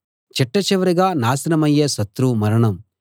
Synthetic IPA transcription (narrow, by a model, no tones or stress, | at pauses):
t͡ʃɛʈːɐt͡ʃɛʋɐɾiɡaːnaːsɐnɐmɐjːeːsɐt̪ːɾumɐɾɐɳɐm